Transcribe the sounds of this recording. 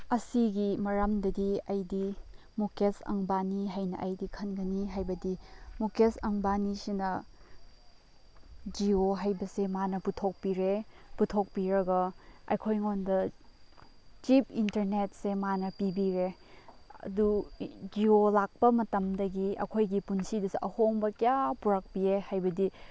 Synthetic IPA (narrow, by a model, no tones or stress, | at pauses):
ɐsiɡimɐɾɐmdɐdiɐjdi | mokesɐ̰ŋbaniɦajnɐ̰ʔɐjdikʰɐnɡɐniɦajbɐdimokesɐŋbanisinɐ | d͡ʒioɦajbɐsemanɐputʰok̚piɾeputʰok̚piɾɐɡɐɐ̰jkʰojŋondɐ | t͡ʃip̚ʰintɐɾnet̚semanɐpibiɾe | ɐ̰dud͡ʒiolak̚pɐmɐtɐmdɐɡiɐ̰kʰojɡipunsidɐsiʔɐhoŋbɐkijapuɾɐk̚piehajbɐdi